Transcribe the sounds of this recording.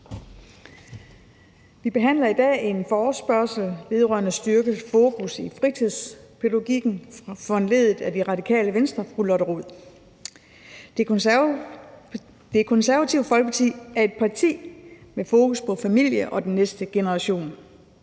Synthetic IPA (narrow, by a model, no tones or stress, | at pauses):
ʋib̥e̝ɦæn̰lɐid̥ɛ̰ːe̝nfɒːsb̥ɶɐsl̩ʋe̝ð̞ˠʁɶ̰ɐnəsd̥yɐɡ̥əfo̝ːkʰusifʁit͡sʰið̰ˠspʰeloɡ̥iɡ̥n̩fɒnle̝ðˠð̩ˠæd̥iʁɑ̈dikʰɛ̰ːləʋensd̥ʁɐfʁulɒ̽ɾəʁo̝ð̰ˠ | d̥e̝kʰɔ̽nsæɐʋæt͡sʰiʊ̰̥fɒ̽lɡ̥əpʰɑt͡sʰḭːæɐe̝d̥̚pʰɑ̈t͡sʰḭːmefo̝ːkʰuspʰɒ̽fæmil̰jəʔɒ̽d̥enːesd̥əɡ̥e̝nəʁɑɕo̝̰ːn